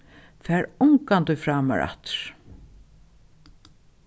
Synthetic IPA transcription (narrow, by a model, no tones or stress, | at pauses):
fɛːɹʊŋkant̪ʊjfɾaːma̰ɹa̰t̪ɹ̥